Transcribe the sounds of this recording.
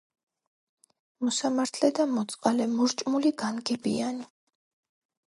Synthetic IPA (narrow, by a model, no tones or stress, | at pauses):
mɔsamaɾt̪ʰlɛd̪amɔt̪sʼqʼalɛmuɾt͡ʃʼmuliɡanɡɛbḭani